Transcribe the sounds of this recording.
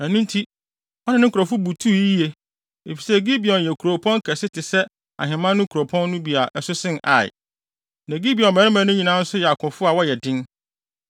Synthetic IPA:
æ˨nũ˦n˦tʰi˦ | ɔ˦nɪ̃˦nɪ̃˦kʰu˨ɾɔ˨fʊ˦bu˨tʰu˦i˦e˨ | e˨fi˨sɛ˦˨ɡi˦bi˨ɔ̃˨n˨jɛ˨kʰu˨ɾo˨pʰɔ̃˦ŋkʰɛ˨sɪ˦tʰɪ˨sɛ˦ | a̰˨ɦɪ̃˨mã˦nːʊ̃˦kʰu˨ɾo˨pʰɔ̃˦nː˦ʊ̃˦bi˨a˨ʔɛ˨sʊ˦sɪ̃˦na̰˨ɪ̰˨ | næ̃˨ɡi˦bi˨ɔ̃˨mmɛ˨ɾɪ̃˦mã˨˦nʊ̃˦ɲi˨nã˦n̩˦sʊ˦jɛ˨a˨kʰʊ̃˨fʊ˦a˨wɔ˦jɛ˨dɪ̃˦n

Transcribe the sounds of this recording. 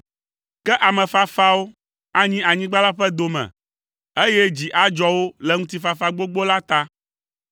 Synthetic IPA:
kɛ˦ʔa˨mɛ̃˨fa˦fa˦wo˦ | a˦ɲĩ˦a˨ɲĩ˦ɡ͡ba˦la˦ɸɛ˦d̪o˨mɛ̰̃˨ | e˦jɛ˦d͡ʑi˨ʔa˦d͡ʒɔ˦wo˦lɛ˨ŋũ˦t̪i˦fa˨fa˦ɡ͡bo˦ɡ͡bo˦la˦t̪a˦

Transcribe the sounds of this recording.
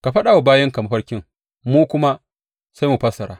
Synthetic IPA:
ka˨ɸɐ˦ɗa˨wa˨baː˦jɐ˦ŋka˨ma˦ɸɐ˦ɽkʲɪ˦ŋ | muː˦kʷʊ˦ma˦ | sa˦jmu˨ɸɐ˦sɐ˨ɾaː˦

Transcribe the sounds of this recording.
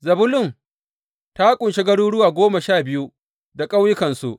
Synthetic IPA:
zɐ˨bʊ˦lʊ˦˨m | ta˦kʷʼʊ˨nʃe˦ɡɐ˦ɽuː˦ɽʊ˦waː˨ɡʷoː˦ma˨ʃaː˦˨bɪ˦ju˦ | da˨kʼa˦wjɪ˦kɐ˨nsṵ˦ʔ

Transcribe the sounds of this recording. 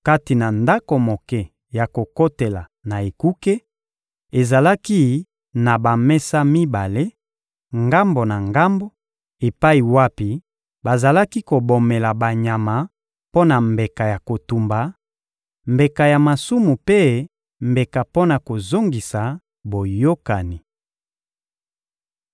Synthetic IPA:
ka˦ti˨na˨nda˦ko˨mo˨kɛ˦˨ | ja˨ko˨ko˦te˨la˨ | na˨e˨ku˦ke˦ | e˨za˨la˦ki˦ | na˨ba˨mɛ˦sa˦mi˦ba˨le˦ | ŋɡa˦mbo˨na˨ŋɡa˦mbo˦ | e˨pa˦i˨wa˦pi˨ | ba˨za˨la˦ki˦ko˨bo˨me˨la˨ba˨ɲa˨ma˨ | po˦na˨mbe˨ka˨ja˨ko˨tu˨mba˨ | mbe˨ka˨ja˨ma˨su˦mu˨pe˦ | mbe˨ka˨po˦na˨ko˨zo˦ŋɡi˨sa˨ | bo˨jo˦ka˨ni˨

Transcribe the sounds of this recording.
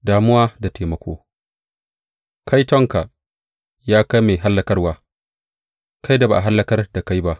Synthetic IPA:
daː˨mʊ˦waː˦da˨tʰeː˨mɐ˦kʷo̰ː˦ | kʰa˦jtɔ˦ŋka˨ | jaː˦ka˦jmeː˨ɦa˦lːɐ˨kɐ˦rwaː˦ | ka˦jda˨ba˨ʔa˨ɦa˦lːɐ˨kɐ˦rda˨ka˦jba˦ʔ

